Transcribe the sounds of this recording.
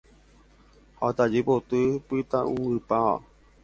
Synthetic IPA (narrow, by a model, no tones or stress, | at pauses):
hat̪ad͡ʒepot̪ɨpɨt̪aũɨpaa̰